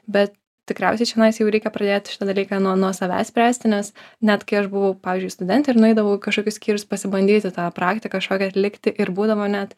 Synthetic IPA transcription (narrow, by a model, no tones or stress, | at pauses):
bʲɛt̪ | t̪ʲɪkɾʲæʊsʲɛɪt͡ʃʲɛnɐɪsʲɪjɛʊɾʲɛɪkʲɛpɾɐd̪ʲeːt̪ʲʃʲɪ̥t̪ɑd̪ɐlʲiːkɑnuɔnuɔsɐʋʲæ̰ːsʲpʲɾʲæːsʲt̪ʲɪnʲɛsnʲæt̪kɐɪɐʃbʊʋɐʊpɑːʋʲiːzʲd͡ʒʊɪst̪ʊd̪ʲɛnt̪ʲɪɪɾnʊɛɪd̪ɐʋɐʊkɐʃkoːkʲʊsʲkʲiːɾʲʊspɐsʲɪbɐnʲd̪ʲiːt̪ʲɪt̪ɑːpɾɑːkt̪ʲɪkɐkʃkoːkʲɛɐt̪ʲlʲɪkt̪ʲɪʔɪɾbuːd̪ɐʋoːnʲæt̪